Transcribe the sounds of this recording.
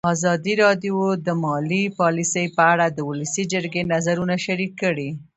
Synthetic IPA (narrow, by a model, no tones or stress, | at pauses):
ɑzɑd̪iɾɑd̪jod̪əmɑlipɑlisəjpəaɽad̪əwʊləsid͡ʒəɾɡenazaɾunaʃaɾikːəɽi